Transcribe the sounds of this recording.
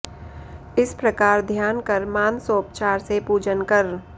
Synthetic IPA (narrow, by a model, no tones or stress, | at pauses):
ɪspɾəkaːɾd̪ʱjaːnkəɾmaːnsoːp̚t͡ʃaːɾsepuːd͡ʒənkəɾ